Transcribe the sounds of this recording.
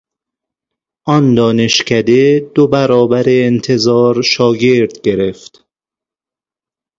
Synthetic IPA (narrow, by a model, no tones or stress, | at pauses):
ʔɒnd̪ɒːne̞ʃcʰæd̪e̞d̪̥obæɾɒːbæɾeːnt̪ʰe̞zɒːɾʃɒːɟe̞ɾd̪ɡe̞ɾeft̪